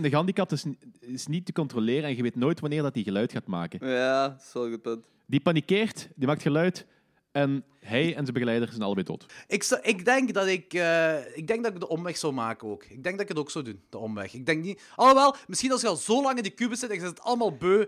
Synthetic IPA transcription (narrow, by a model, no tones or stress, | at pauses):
ndəɦɑndikɑp̚tɪsɪsnitːəkɔntrolɪːɾəɛnɣəʋeːtnoːjtʋɑnɪːrdɑtiɣəlœɥtxaːtma̰ːkəjasolˠkəpɵnt | dipɑnikeːrtdimaːk̚txəlœɥt | ɛn | ɦɛjɛnzəbəɣəlɛjdərzɛnɑ̰ləbɛjdo̰ːtɪksʔɪɡdɛŋkdɑtɪkəːɪɡ̚dɛŋɡ̚dɑtɪɡ̚dəʔɔmʋɛxsowmaːkənoːkɪɡ̚dɛŋɡdɑtɪkətoːksowdund̥əɔmʋɛ̰xɪɡ̚dɛŋkni | ɔʋɛlˠmɪsxinɑlˠskɑlˠzoːlɑŋɪndəkybəsɪtɛzɛətɑ̰ləmaːlˠbøː